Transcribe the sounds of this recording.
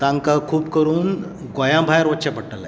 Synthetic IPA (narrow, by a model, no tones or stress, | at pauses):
t̪ãŋkakʰuːbkəɾuːn | ɡojãbʱajəɾʋətːɕapəɽʈala̰